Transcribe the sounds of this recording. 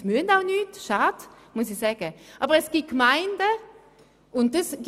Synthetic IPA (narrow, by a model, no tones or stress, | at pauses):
myəntaʊnyːtʃaːd | musisɛːɡ̥əʔabəʁɛsɡ̥it̚kmaɪndə | ʔʊnt̚dəs